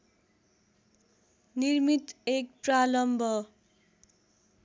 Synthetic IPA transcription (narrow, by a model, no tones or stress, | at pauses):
nirmit̪ek̚pralʌmbʱʌ